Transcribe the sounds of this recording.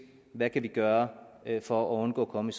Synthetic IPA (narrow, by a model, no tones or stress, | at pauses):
ʋækʰæʋiɡ̥ɶːɐfɒæɔnɡ̥ɔ̰̽ːkʰɒ̽məis